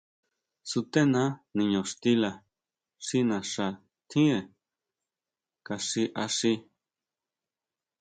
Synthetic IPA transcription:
su˧t̪e˦nã˦nĩ˨˧ɲõ˨ʂt̪i˦la˧ | ʂi˦nã˨ʂa˧˨ | t̪ʰĩ˦e˨ | ka˧ʂi˧ʔa˧ʂi˧

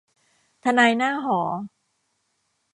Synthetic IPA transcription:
t̪ʰa˧naː˧jnaː˥˩ɦɔː˩˦

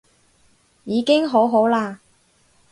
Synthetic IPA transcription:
jiː˨˧kɪ˥ŋɦo˨˥wɦo˨˥wlaː˧

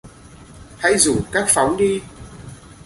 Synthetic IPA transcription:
ha̰˧˥jzu˧˨˩kaː˦˥k̚fa˨˦wŋ͡mɗi˧

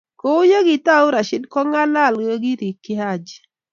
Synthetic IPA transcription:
ko˦ʊ˦jo˦ɡɪ˨ta˦ʊ˦ɾa˨ʃɪ˦dkɔ˦ŋa˦la˦˨lɡo˦ɡi˦ɾi˨kːɪ˦ha˦˨d͡ʒ

